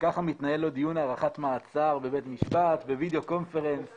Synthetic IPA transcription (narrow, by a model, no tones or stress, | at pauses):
kaχamit̪naje̞lo̞d̪ijunaʁaχat̪maːt͡saʁbebet̪miʃpat̪bevid̪eo̞ko̞nfe̞ʁens